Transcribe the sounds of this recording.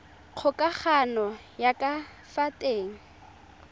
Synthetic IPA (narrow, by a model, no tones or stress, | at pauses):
q͡χʰʊkʼak͡xʰanɔ | jakʼa | fatʼeːŋ̩